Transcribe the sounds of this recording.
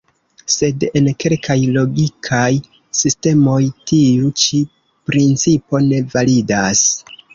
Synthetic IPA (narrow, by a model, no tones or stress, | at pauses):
se̞de̞nke̞lkʰajlo̞ɡikʰaj | siste̞mo̞jtiut͡ʃi | pɾint͡sipo̞ne̞validas